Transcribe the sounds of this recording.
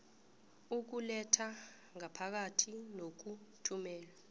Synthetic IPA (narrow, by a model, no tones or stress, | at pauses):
uk̬ulɛtʰa | ŋapʰak̬atʰinok̬utʰumɛːla